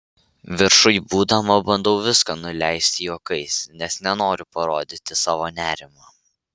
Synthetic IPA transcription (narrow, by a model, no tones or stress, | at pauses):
ʋʲɪɾʃʊjbuːd̪ɐmɐbɐnd̪ɐʊʋʲɪskɑnʊlʲæˑɪsʲt̪ʲɪjoːkɐɪsnʲɛsnʲɛnoːɾʲʊpɐɾoːd̪ʲɪt̪ʲɪsɑːʋoːnʲæːɾʲɪmɑː